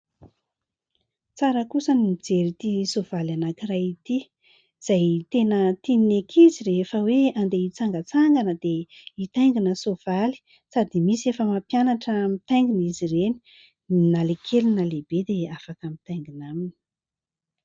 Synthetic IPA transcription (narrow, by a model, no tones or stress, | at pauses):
t͡saɾəkusəniid͡zeɾit̪isov̥alanakirajit̪i | z̥ajt̪enət̪inekʰizirefəweand̪eit͡saŋɡət͡saŋɡanəd̪̥eit̪ajŋɡinəsov̥ali̥ | sad̪imisiefəmapjanaʈ͡ʂəmit̪ajŋɡinizireni̥ | nalekʰelinəleb̥ed̪eafakəmit̪ajŋɡinamini̥